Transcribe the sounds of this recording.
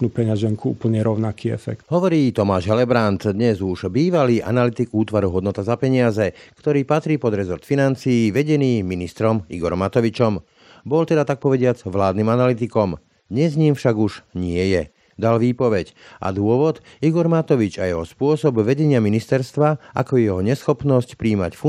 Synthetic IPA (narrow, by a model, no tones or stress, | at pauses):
upɛɲaʒɛŋkuṵːpl̩ɲɛɾɔʊnakiːɛ̰fɛ̰k̚t̪ɦɔʋɔɾiːt̪ɔmaːʒɦɛlɛbɾant̪d̪ɲɛzuʒbiːʋaliːʔa̰nalit̪iɡuːt̪ʋaɾuɦɔd̪nɔt̪azapɛɲɪazɛkt̪ɔɾiːpat̪ɾiːpɔd̪ɾɛzɔɾt̪finant͡siːʋɛɟɛniːminist̪ɾɔmḭɡɔɾɔmat̪ɔʋit͡ʃɔm | bɔlt̪ɛd̪at̪ak̚pɔʋɛɟɪad͡zʋlaːd̪niːmanalit̪̬ikɔm | d̪ɲɛzɲiːmfʃaɡuʒɲɪɛjɛ | d̪alʋiːpɔʋɛcʔa̰d̪ʊɔʋɔd̪ | iɡɔɾmat̪ɔʋit͡ʃajɛɦɔspʊɔsɔbʋɛɟɛɲɪaminist̪ɛɾst̪ʋaʔa̰kɔjɛɦɔɲɛsxɔpnɔscpɾiːma̰cfu